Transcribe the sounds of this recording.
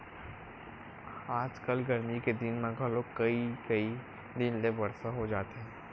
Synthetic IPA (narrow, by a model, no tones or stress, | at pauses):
aːd͡ʒkɐlɡɐɾmiked̪ɪnmãɡʱaloːɡkɐikɐi | d̪ɪnlebɐɽsaɦod͡ʒaːt̪eɦɛ̃ː